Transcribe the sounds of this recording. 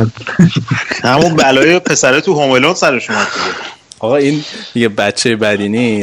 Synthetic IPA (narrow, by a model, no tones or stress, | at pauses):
hæmubælɒːjepʰe̞sæɾɛt̪ʰuɦomelonsæɾeʃomat̪ʰede | ɒɣɒind̪iɡebætt͡ʃʰːejebæd̪iːni